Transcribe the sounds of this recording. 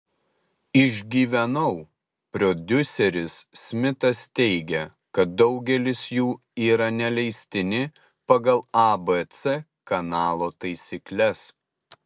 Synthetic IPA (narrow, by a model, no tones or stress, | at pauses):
ɪʒʲɡʲiːʋʲɛnɐʊ | pʲɾɔd̪ʲʊsʲɛɾʲɪsːʲmʲɪt̪ɐst̪ʲɛɪɡʲɛ | kɐt̪̚d̪ɒʊɡʲɛlʲɪsjuː | iːɾɐnʲɛlʲɛɪsʲt̪ʲɪnʲɪ | pɐɡɐlˠɐbɛt̪sɛ | kɐnɑːlˠoːt̪ɐɪsʲiklʲɛs